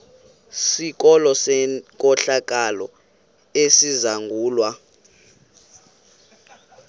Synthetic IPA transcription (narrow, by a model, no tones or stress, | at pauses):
sik̬ʼɔlɔsɛkʼɔɬak̬ʼalɔ | esizaŋɡʱuːlwa